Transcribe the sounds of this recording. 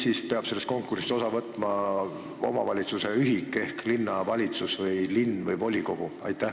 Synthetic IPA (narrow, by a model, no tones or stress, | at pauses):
siːspeɑb̥se̞lːest̪ko̞ŋkursi̥so̞sɑvɤt̪ːˑmɑ | o̞̰mɑvɑlʲit̪suse̞yɦikːˑe̞hklinːɑvɑlʲit̪susvɤjlinːvɤjvo̞lʲiko̞ɡ̥uɑ̰jt̪ːˑæ